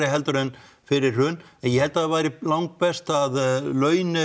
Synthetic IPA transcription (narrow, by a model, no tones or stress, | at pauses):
ɾɪɦɛlt̪ʏɾɛn | fɪɾɪɾ̥rʏːnɛnjɛhɛlt̪aðvaːjɾɪlawŋk̚pɛst̪aðlœːɥnɪ